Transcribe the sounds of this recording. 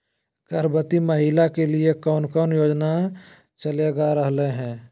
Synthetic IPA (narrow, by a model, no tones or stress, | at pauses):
kəɾbət̪iməɦilakeliekɔːnkɔːnjoːd͡ʒna | t͡ʃəleɡaɾəɦleɦɛ̃ː